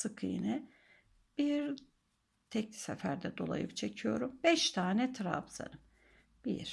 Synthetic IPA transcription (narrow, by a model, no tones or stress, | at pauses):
sɯkʰɯjḭnɛ | b̥iɾ | t̪ʰɛclʲi̥sɛfæɾd̪ɛd̪o̞lˠa̰jɯpt͡ʃʰe̞cʰijo̞ɾumbɛʃt̪ʰaːnɛt̪ʰɾa̰bza̰nɯm | b̥ḭɾ̥